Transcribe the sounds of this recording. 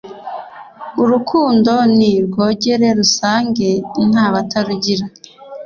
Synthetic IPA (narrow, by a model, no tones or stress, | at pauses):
uɾukʰuːndo̞niɾɡo̞ːɟe̞ɾe̞ɾusaːŋɡe̞n̥aːβataɾuɟiɾa